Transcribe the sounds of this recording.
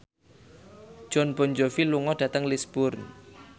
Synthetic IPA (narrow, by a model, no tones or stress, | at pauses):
ʒ̥ɔnb̥ɔnd͡ʒofiluŋɔɖ̥ä̤t̪əŋlisb̥ʊrn